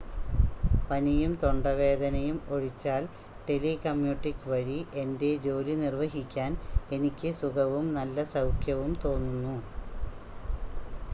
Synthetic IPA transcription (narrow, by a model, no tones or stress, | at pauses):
pɐnijumt̪o̞ɳɖɐʋe̞ːd̪ɐnɐjumo̞ɻit͡ɕːaːl | ʈe̞likɐmjuːʈːikːʋɐɻie̞nde̞d͡ʑo̞ːlinirʋɐɦikʲːaːne̞nikʲːɨsuɡɐʋumnɐlːɐsɐwkʰjɐʋumt̪o̞ːnːunːu